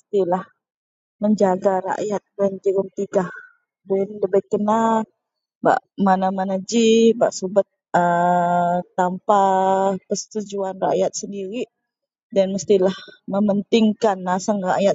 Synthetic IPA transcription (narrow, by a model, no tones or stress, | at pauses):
əst̪ilah | məɲd͡ʒaɡaɾa̰ʔjat̪̚dand͡ʒəɾəmt̪iɡah | dɛnləbəjkənal | ba̰ʔmanamanad͡ʒibaʔsubət̪̚ | ə | t̪ːampakəst̪ud͡ʒuanra̰ʔjat̪̚səndiɾiʔ | danməst̪ilahməmənt̪ɪŋkanasəŋra̰ʔjat̪̚